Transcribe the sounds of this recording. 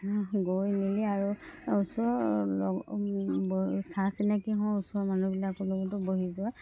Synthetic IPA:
ɡojniliaɹuusɔlɔ | bsasinakiɦɔ̃usɔmanubilakɔlɔɡɔtɔboɦizʊa

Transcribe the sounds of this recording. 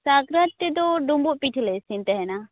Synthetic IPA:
saɡɾət̪ːid̪ɔɖumbuʔpiʈʰlɛsint̪ɛɦɛna

